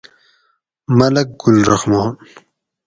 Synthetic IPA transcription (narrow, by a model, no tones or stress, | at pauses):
mɐlɐk̚ɡʊlɾɐ̰xmɑːn